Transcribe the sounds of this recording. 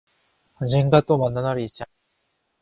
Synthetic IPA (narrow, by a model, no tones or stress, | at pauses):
and͡ʑeŋɡat̪͈ːomanːanaɾiit͡ɕa